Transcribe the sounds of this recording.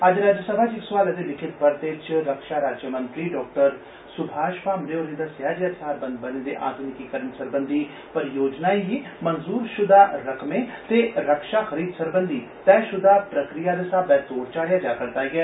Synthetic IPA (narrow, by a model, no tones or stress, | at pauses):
ɐd͡ʒɾaːd͡ʒjəsəbʱaːd͡ʒɪksʋaːlɛt̪elɪkʰɪt̪bəɾt̪et͡ʃɾəkʃaːɾaːd͡ʒjəmə̃nt̪ɾiɖɔːk̚ʈəɾ | sʊbʱaːʃpaːmɾeoɾẽnd̪asjaːd͡ʒəsaːɾbə̃nd̪bənẽːd̪ḛʔa̰ːd̪ʊnɪkikəɾənsəɾbənd̪ʱiː | pəɾjoːd͡ʒnaːiimənzuːɾʃʊd̪aːɾɐkʰmẽːt̪eːɾəkʃaxəɾiːd̪səɾbənd̪ʱiː | t̪ɛːʃʊd̪ʱaːpɾəkɾijaːləsaːbɛːt̪oːɾt͡ʃaːɽejaːd͡ʒaːkəɾt̪aːɡɪaː